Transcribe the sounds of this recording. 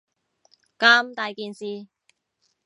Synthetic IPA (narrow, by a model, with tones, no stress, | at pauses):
kaː˧mt̪aː˨jkiː˨nsiː˨